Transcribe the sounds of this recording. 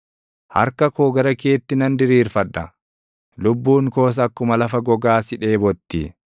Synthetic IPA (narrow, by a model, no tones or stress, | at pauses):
hɐ̰ɾkɐkoːɡɐɾɐke̞ːt̪ːɪnɐnd̪ɪɾiːɾfɐᶑːɐ | lʊbːuːŋko̞ːs̬ɐkːʊmɐlɐfɐɡɔɡaːsɪᶑe̞ːbɔt̪ːiː